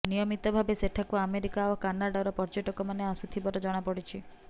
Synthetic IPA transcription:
nijɔmit̪ɔbʱabeseʈʰakuameɾikaokanaɽaɾɔpɔɾd͡ʒoʈɔkɔmaneasut̪ʰibɔɾɔd͡ʒɔɽ̃apɔɽit͡ʃʰi

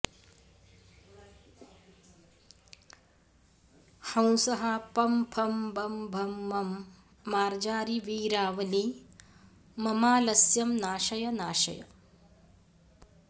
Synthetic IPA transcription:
hɐ̃w̃sɐɦɐpɐmpʰɐmbʱɐmbʱɐmːɐmː | aːɾd͡ʒaːɾiʋiːɾaːʋɐli | mɐmaːlɐsjɐmnaːʃɐjɐnaːʃɐ̰jɐ̰

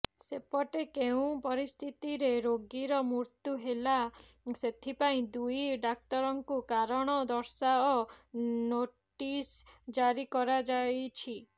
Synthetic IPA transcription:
sepɔʈekeũpɔɾist̪ʰit̪iɾeɾoɡiɾɔmuɾt̪juɦela | set̪ʰipaĩd̪ujɖak̚ʈɔɾɔŋkukaɾɔɽ̃ɔd̪ɔɾsaɔ | noʈisd͡ʒaɾikɔɾad͡ʒajt͡ʃʰi

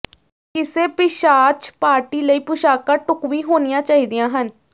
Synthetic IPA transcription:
kɪseːpɪʃaːt͡ʃpaːɾʈiːləiːpʊʃaːkãːʈʊkʋiːɦoːnɪjãːt͡ʃaːiːd̪ijãːɦən

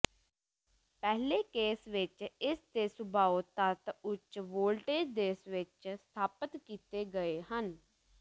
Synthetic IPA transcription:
pɛɦleːkeːsʋɪt͡ʃɪst̪eːsʊbʱaːoːt̪ət̪ʊt͡ʃʋoːlʈeːd̪eːsʋɪt͡ʃst̪ʰaːpət̪kiːt̪eːɡəeːhən

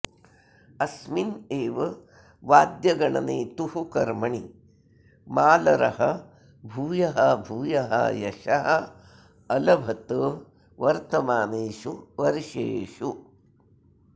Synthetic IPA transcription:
ɐsmineːʋɐ | ʋaːd̪jɐɡɐɳɐ̰neːt̪uɦukɐɾmɐɳi | maːlɐɾɐɦɐ | bʱuːjɐɦɐbʱuːjɐɦɐ̰jɐʃɐɦɐ | ɐlɐbʱɐt̪ə | ʋɐɾt̪ɐmaːneːʃuʋɐɾiʃḛːʂu

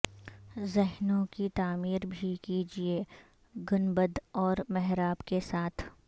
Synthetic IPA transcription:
zɛɦnõkit̪aːmiːɾbʱikid͡ʒie | ɡʊnbəd̪ɔːɾmɛɦɾaːbkesaːt̪ʰ

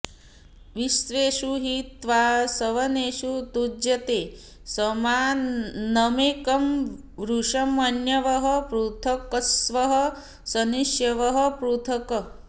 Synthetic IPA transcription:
ʋisʋeːʃuɦit̪ʋasɐʋɐneːʃut̪ud͡ʒjɐt̪eː | sɐmaːnɐmeːkɐm | ʋɾuʂɐmɐnjɐʋɐɦɐpɾut̪ʰɐkɐsʋɐɦɐ | sɐniʃjɐʋɐɦɐpɾut̪ʰɐkɐ

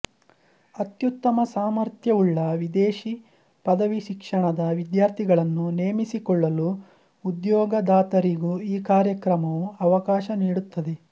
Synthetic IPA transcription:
ɐt̪jut̪ːɐmɐsaːmɐɾt̪ʰjɐuɭːɐʋid̪eːʃi | pɐd̪ɐʋiʃikʂɐɳɐd̪ɐʋid̪jaːɾt̪ʰiɡɐɭɐnːuneːmisikɔɭːɐluː | d̪jɔːɡɐd̪aːt̪ɐɾiɡuiːkaːɾjɐkɾɐmɐʋuɐʋɐkaːʃɐniːɽut̪ːɐd̪e̞

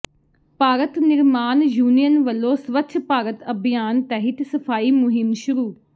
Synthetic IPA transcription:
paːɾət̪nɪɾmaːnjuːnijənʋəlːoːsʋəkt͡ʃʰpaːɾət̪əbʱijaːnt̪ɛːɦɪt̪səpʰaːiːmʊɦɪmʃʊɾuː

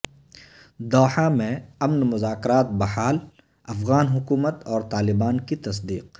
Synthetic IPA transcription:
d̪ɔːħamẽɐmnmʊzaːkɾaːt̪̚bɐɦaːl | ɐfɣaːnɦʊkuːmət̪ɔːɾt̪aːlɪbaːnkit̪ɐs̬d̪iːq

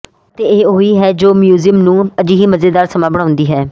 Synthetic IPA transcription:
t̪eːeːoiːɦɛːd͡ʒoːmjuːzimnũːəd͡ʒiːɦiːməzeːd̪aːɾsəmãːbəɽãːʊ̃nd̪iːɦɛː

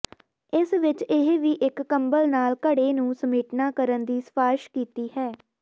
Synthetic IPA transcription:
ɪsʋɪt͡ʃɪɦʋiːʔɪkːəmbəlnaːlkəɽeːnũːsəmeːʈnaːkəɾənd̪iːsə̥paːɾʃkiːt̪iːhɛː

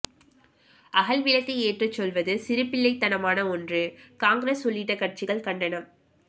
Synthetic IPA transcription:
ʔɐɣɐlʋɪlɐt̪ːɐeːʈrɯt͡ʃːɔlʋɐðɯsɪɾɯpːɪlːɐɪt̪ːɐnɐmaːnɐɔndrɯkaːŋɡɾesʊlːɪʈːɐkːɐrt͡ʃɪɣɐɭkɐɳɖɐnɐm

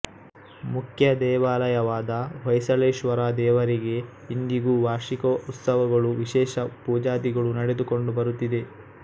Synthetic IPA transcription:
mukʰjɐd̪ɛːʋaːlɐjɐʋaːd̪ɐʋɐjsɐleːʃʋɐɾaːd̪ɛːʋɐɾiɡe̞ | ind̪iɡuːʋaːʃikout̪sɐʋɐɡɐɭuʋiʃɛːʃɐpuːd͡ʒaːd̪iɡɐɭunɐɽe̞d̪uko̞ɳɖubɐɾut̪ːid̪e̞

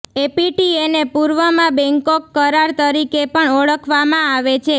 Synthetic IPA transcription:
epiʈienepuɾʋəmãbɛ̃ŋkokːəɾaɾt̪əɾikepəɳəɭəkʰʋamãaʋet͡ʃʰe

